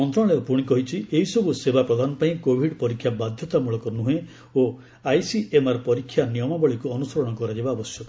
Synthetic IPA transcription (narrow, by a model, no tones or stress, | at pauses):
mɔnt̪ɾɔ̃ɭeɔpuɽ̃ikɔɦit͡ʃʰieɦisɔbusebapɾɔd̪ʱanɔpaĩkobʱiɖpɔɾikʰːjabad̪ʱjɔt̪amuɭɔkɔnuɦẽ | o | ajsiemaɾpɔɾikʰːjanijɔmabɔɭikuɔnusɔɾɔɽ̃ɔkɔɾad͡ʒebaɔbɔsjɔk